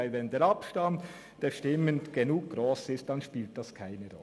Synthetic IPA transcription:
ɪlvɛndeːɾɑpʃtɑmt | d̥eːʃtɪməndɡ̥enuːk̚ɡ̥ɾoːsɪst̚d̥ɑnʃpiːlt̚d̥ɑskʰaɪnəɾɔ̰

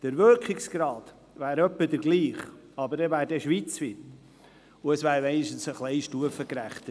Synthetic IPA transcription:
d̥əɾvølkχɪksɡ̥ɾɑːd̪ | væːɾœpːədəɾɡliːχ | ɑbəɾdɛvæːɾdɛʃʋiːt͡sfɪt | ʊəsvæːɾmɛɪniʃtən̩səχlɛɪʃtuəfəkɾæχt̪ə

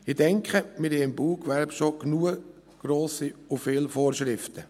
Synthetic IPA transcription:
ɪd̥ɛŋkχəmɪɾhɛɪmbuːkʋɛɾbʃoknuːə | ɡ̥ɾoːsiʊfɪːlfoːɾʃɾɪftə

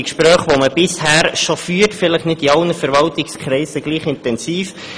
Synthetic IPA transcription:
kʃpɾœːχʋoməb̥ɪshæːɾʃofyːɾtfɪləχnɪtiɑlnəfɛɾvɑltɪkskχɾɛɪsəɡ̥liːχɪntɛnsiːf

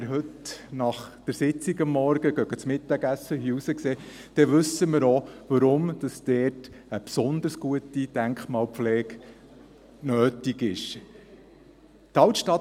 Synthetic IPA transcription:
ɾɦɵtnɑχd̥əɾsɪt͡siɡɑmːɔɾɡ̥əɡœɡət͡smɪt̪ɑɡæsːəhiusəkseː | d̥ɛʋɵsəməɾoʋɑɾʊmd̥ɑsd̪̥ɛːrtəpsɔnd̪əɾsɡ̥uətid̥̪æŋkχmɑːlpflɛːɡ | nøːtiɡɪʃ | t̪ɑwtʃtɑt

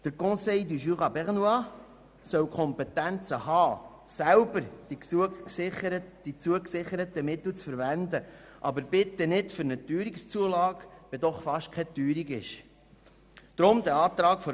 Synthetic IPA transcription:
d̪̥əɾkɔ̃sɛjd̪yʒyʁɑbɛʁnuɑ | sœwkʰχɔmpɛt̪ænt͡səhɑː | sælbəɾd̥iksuɪəɾd̥it͡suəksɪχəɾət̪əmɪt̪l̩t͡sfəɾvænd̪ə | ʔɑbəɾb̥ɪt̪ənɪdfʏɾnət̪yːɾikst͡suəlɑːɡ̥ʋɛd̪ɔχfɑʃtkʰɛt̪yːɾiɡɪʃ | d̥ɾʊmd̪ɛɑːt̪ɾɑːkfɔ

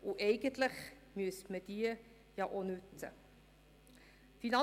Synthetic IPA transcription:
ʔuʔeɪɡəntləχ | myəsməd̥iə | jɑʔonʉt͡sə̰ | finɑ

